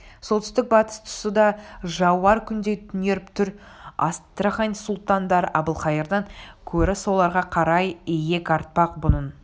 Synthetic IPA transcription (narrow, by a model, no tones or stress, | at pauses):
sot̪ʏst̪ɪk̚bɑt̪ə̥st̪ʰʊ̥səd̪ɑʒɑwɑɾkʲʰʏnd̪e̞t̪ʰʏne̞ɾɪpt̪ʰʏɾ | ɑ̰st̪ɾaχɑnsʊlˠt̪ɑnd̪ɑɾɑbəlˠχɑjeɾd̪əŋkʲʰɵɾɪso̞lˠɑɾʁɑqʰɑɾɑjeje̞kʲɑɾt̪̚pɑq̚bʊnən